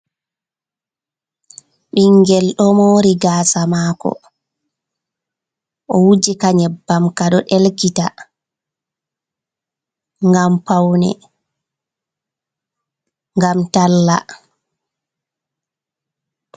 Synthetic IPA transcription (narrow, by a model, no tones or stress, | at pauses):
ɓiŋɡɛlɗɔmoːɾiɡaːsamaːkɔ̰ | ʔɔwud͡ʒikaɲɛbamkaɗɔɗɛlkita | ŋɡampawnɛ̰ | ŋɡamtalːa̰